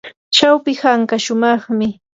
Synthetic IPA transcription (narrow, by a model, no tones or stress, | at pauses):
t͡ʃawpɪhaŋkaʃʊmɑχmɪ